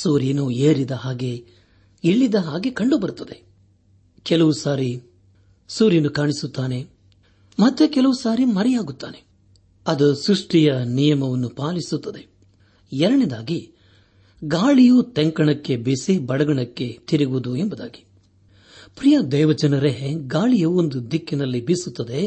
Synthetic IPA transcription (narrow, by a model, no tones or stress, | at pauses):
suːɾjɐnueːɾid̪ɐɦaːɡe̞ | iɭːid̪ɐɦaːɡekɐɳɖubɐɾut̪ːɐd̪e̞ | kɛlɐʋusaːɾi | suːɾjɐnukaːɳisut̪ːaːne̞ | mɐt̪ːekɛlɐʋusaːɾimɐɾɛjaːɡut̪ːa̰ːne | ɐd̪usɾuʂʈijɐnijɐmɐʋɐnːupaːlisut̪ːɐd̪e̞ | ɛɾɐɽid̪aːɡi | ɡaːɭijut̪ɛŋkɐɳɐkːe̞bisibɐɽɐɡɐɳɐkːe̞t̪iɾiɡud̪uembɐd̪aːɡi̥ | pɾijɐd̪ɛːʋɐd͡ʒɐnɐɾeɦɡaːɭijɐond̪ud̪ʱikːinɐlːibisut̪ːɐd̪e